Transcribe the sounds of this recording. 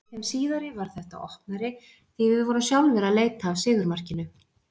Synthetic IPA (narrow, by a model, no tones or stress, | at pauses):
sɛmsiːðaɾɪvaɾ̥θɛht̪a̰ɔhpnaɾɪ | θivɪðvɔɾʏmsjawlvɛɾaleːjt̪aːvsɪːðʏɾmar̥cɪnʏ